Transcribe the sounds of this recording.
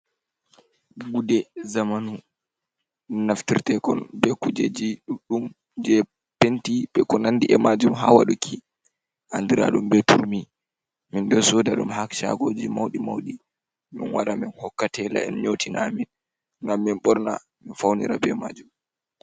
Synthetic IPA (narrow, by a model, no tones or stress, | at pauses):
ɡudɛzamanu | naftiɾtɛkɔnbɛkud͡ʒed͡ʒiɗɗum | d͡ʒɛ | pentiɓɛkɔnandiʔɛmad͡ʒumɦa̰waɗukʰi | ʔandiɾa̰ɗumbɛtuɾmi | mindɔsɔdaɗumɦakʃa̰ɡoːd͡ʒimawɗimawɗi | mḭnwaɾaminhɔkːatɛla̰ɛnɲotʰinamin | ŋɡamːinɓɔɾna̰ | minfawnḭɾabɛmad͡ʒum